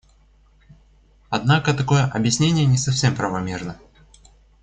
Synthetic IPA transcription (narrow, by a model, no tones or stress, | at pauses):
ɐd̪nakət̪ɐko̞jəʔɐbjɪsʲnʲenʲɪjənʲɪsɐfsʲe̞mpɾəvɐmʲe̞rnə